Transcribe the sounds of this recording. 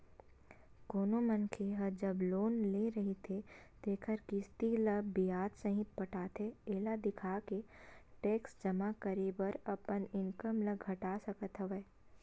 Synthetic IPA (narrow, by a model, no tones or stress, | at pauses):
koːnomənkʰeɦəd͡ʒəbloːnleɾɐɦet̪ʰet̪eːkʰəɾkɪst̪iləbijaːd̪səɦɪt̪̚pɐʈʰaːt̪ʰeeːlad̪ɪkʰaːkeʈeːksd͡ʒɐmakəɾebəɾɐpənɪnkəmləɡʱɐʈaːsɐkət̪ɦəʋəː